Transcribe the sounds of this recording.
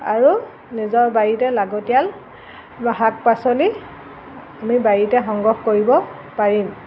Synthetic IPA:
aɹu | nizɔɹbajitɛlaɡɔtijal | ɦak̚pasɔli | amibajitɛxɔŋɡɔxkoɹibɔ | paɹim

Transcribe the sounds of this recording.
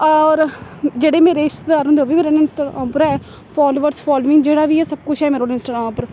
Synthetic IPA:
ɔːɾd͡ʒeːɽeːmeːɾeːɪʃt̪aːɾɦõnd̪eoːʋiːmeːɾeːnɪnsʈaːɾã̰ːpɾɛː | fʰaːloːʋəɾsfʰaːloːʋɪ̃ŋɡd͡ʒeːɽaːʋiːɛːsəb̚kʊt͡ʃʰɛːmeːɾoːɪnsʈaːɾãːpəɾ

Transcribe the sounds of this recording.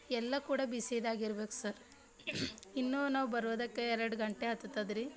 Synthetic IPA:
ɛlːɐkuːɽɐbisid̪aːɡiɾbe̞ːku̥sɐɾ | inːunaːʋubɐɾuʋd̪ɐkːeɛɾɐɾɽɡɐɳʈeɦɐt̪ːut̪ːɐd̪ɾi

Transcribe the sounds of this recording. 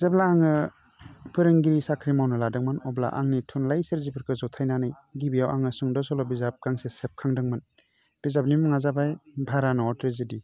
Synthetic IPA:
bizablaːŋɯ | pʰɯɾɯŋɡiɾisakʰɾimawnɯladɯŋmɯnɔbla̰ʔa̰ŋnitʰunlajsɯɾzipʰɯɾkʰɯzɔwtʰajnanɯj | ɡibijawʔaŋɯsuŋdɔsɔlɔbizap̚ɡaŋsesep̚kʰaŋdɯŋmɯn | b̥izap̚nimɔŋazabajbʱaɾanɔɔtɾezidi

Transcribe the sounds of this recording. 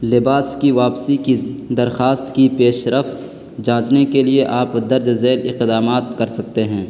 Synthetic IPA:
lɪbaːskiʋaːpsikid̪ɐɾxaːst̪kipeːʃɾəft̪ | d͡ʒãːt͡ʃnekelieʔaːpd̪ɐɾd͡ʒzeːlɪqd̪aːmaːt̪̚kɐɾsɐk̚t̪eɦɛ̃ː

